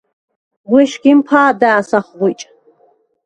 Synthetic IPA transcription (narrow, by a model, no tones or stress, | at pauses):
wiʃɡʲimpʰaːdaːsaχʷʁʊjt͡ʃʼ